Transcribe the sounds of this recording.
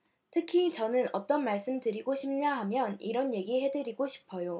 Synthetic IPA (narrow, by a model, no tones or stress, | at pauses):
tʰɯkʰit͡ɕʌnɯnʌt͈ʌnmaɭs͈ɯmdɯɾiɡoɕʰim̚ɲaɦamjʌniɾʌnje̞ɡihe̞dɯɾiɡoɕʰi̥pʰʌjo